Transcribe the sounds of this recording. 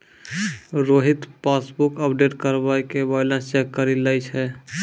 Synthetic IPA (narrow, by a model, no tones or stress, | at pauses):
ɾoɦit̪pasbukəpɖeʈkəɾbajkebajlə̃nst͡ʃɛkːəɾiləjt͡ʃʰɛ